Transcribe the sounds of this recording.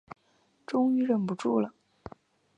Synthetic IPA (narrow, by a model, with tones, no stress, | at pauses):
ʈ͡ʂʊ˥ŋy˥ɻə˥˩npu˧˥ʈ͡ʂu˥˩lə˩